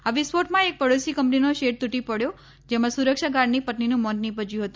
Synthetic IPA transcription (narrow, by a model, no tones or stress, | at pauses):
aʋispoʈmãek̚pəɽosikəmpninoʃeʈ̚t̪uʈipəɽjo | d͡ʒemãsuɾəkʃaɡaɾnipətninũmɔnnĩpəd͡ʒjũɦət̪ũ